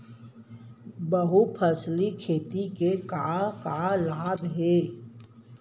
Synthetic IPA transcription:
bəɦupʰəslikʰeːt̪ikekakalaːb̪ɦeː

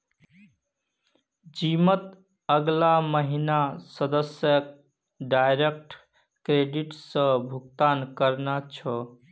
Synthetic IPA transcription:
d͡ʒimət̪ | əɡlaməɦinasəd̪əsjək | ɖajɾek̚ʈ | kɾeɖiʈsə̃bʱuɡ̚t̪ankəɾnat͡ʃʰɔ

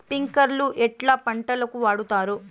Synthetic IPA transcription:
piŋkɐɾluʔɛʈlaːpɐɳʈɐlɐkuʋaːɽut̪aːɾu

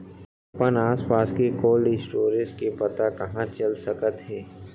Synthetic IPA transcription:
pənaːspaːskekoːlɖisʈoːɾɪskepɐt̪akɐɦãt͡ʃɐlsɐkət̪ɦɛː

